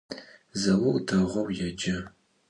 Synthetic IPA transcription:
zɐwɐwdʰɐʁʷɐwjɛd͡ʒɐ

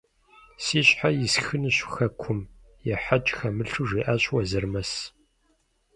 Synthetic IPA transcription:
siːɕħajɪsxɨnɨɕxɐkʷʰʊm | jɛħat͡ʃʼxɐmɨɬuʐiːʔaːɕʼwɐzɐrmɐs

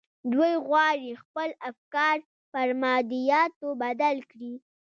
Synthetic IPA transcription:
d̪wojɣwɑɽixpəlafkɑɾ | pəɾmɑd̪ijɑt̪obad̪alkɽi

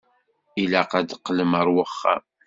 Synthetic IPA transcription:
ilæqæd̪qːləməɾˤwəχːa̰

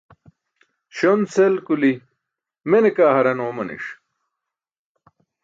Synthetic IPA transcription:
ɕonselkuli | menekaːhɐɾɐnoːmɐnḭʂ

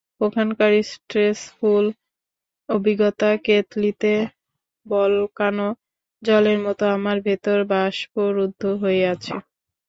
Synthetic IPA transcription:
pokʰankaɾisʈɾesful | obʱiɡɔt̪aket̪lit̪e | bɔlkano | d͡ʑɔleɾmɔt̪oamaɾbʱet̪oɾbaʃpoɾud̪ʱːoɦoeat͡ɕʰe

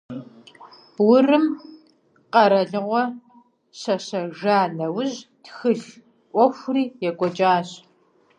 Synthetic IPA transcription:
wʊrɨm | qɐɾɐɮɨʁʷɔ | ɕɐɕɐʒaːnɐwʊʑtxɨɮ | ʔʷɔxʷriːjɛkʷʼɔt͡ʃʼaːɕ

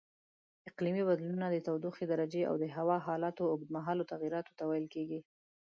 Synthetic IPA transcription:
ɪqlimibad̪lunad̪ət̪awd̪uxed̪aɾad͡ʒea̰wd̪əɦawɑɦɑlɑt̪oːɡd̪maɦɑlot̪aɣiɾɑt̪o̥t̪awajlkeɡi

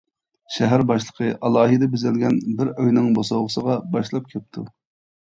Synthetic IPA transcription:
ʃɛɦæɾbɑʃlˠə̥qʰəʔɑlˠɑːɦid̪ɛbyzælɡʲɛnbɪɾøjnɪŋbosoʁəsəʁɑbɑʃlˠɑp̚kʲʰɛp̚t̪ʰu

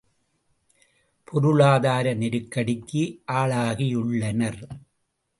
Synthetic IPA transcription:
pʰɔɾʊɭaːðaːɾɐnɪɾɯkːɐɽɪkːɯʔaːɭaːɣɪjʊɭːɐnɐɾ

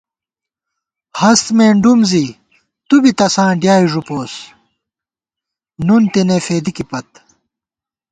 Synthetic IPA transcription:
hɐst̪meːɳɖumzi | t̪ubit̪ɐsãːɖjaːiʐupoːs | nunt̪inefeːd̪ikipɐt̪

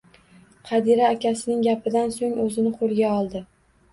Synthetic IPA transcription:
qʰɑd̪iɾaːkʲʰasɪnɪŋɡʲapɪd̪ansoŋɵzɪnɪqʰolˠɡʲaɒlˠd̪ɪ

